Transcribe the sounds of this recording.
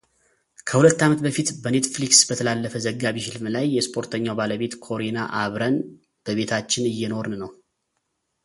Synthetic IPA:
kʰəhulət̪ːamət̪bəfit̪bəne̞t̪fliksbət̪ʰəlalːəfəzəɡːaβihɪlmlajːɛspʰo̞ɾt̪ʰəɲːawbaləβe̞t̪kʰo̞ɾinaʔaβɾən | b̥əβe̞t̪ʰat͡ʃːɪnɨjːɛno̞ɾnnəw

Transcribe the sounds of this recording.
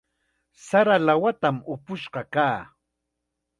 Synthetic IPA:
saɾalawat̪amʊpʊʃɢɑkaː

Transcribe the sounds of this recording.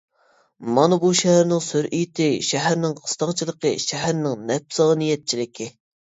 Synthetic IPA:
mɑnɑbuʃɛhæɾnɪŋsøɾʔijt̪ʰɪʃɛɦæɾnɪŋqʰə̥st̪ɑŋt͡ʃʰilˠəqʰəʃɛɦæɾnɪŋnɛp̚sɑnijɛt̪̚t͡ʃʰilɪkʲʰɪ

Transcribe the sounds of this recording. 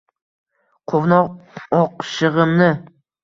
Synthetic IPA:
qʰovnɒʁɒqʃɨʁɨmnɪ

